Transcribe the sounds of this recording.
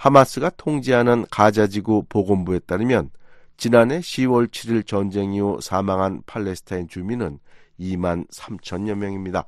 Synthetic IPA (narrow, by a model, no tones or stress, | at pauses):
hamas͈ɯɡatʰoŋd͡ʑeɦanɯnkad͡ʑad͡ʑiɡupoɡombue̞t͈aɾɯmjʌnt͡ɕinanɦe̞ɕʰiwʌɭt͡ɕʰiɾiɭt͡ɕʌnd͡ʑe̞ŋiosʰamaŋɦanpʰaɭːe̞sʰɯ̥tʰaint͡ɕuminɯn | imansʰamt͡ɕʰʌnɲʌnmjʌŋimɲida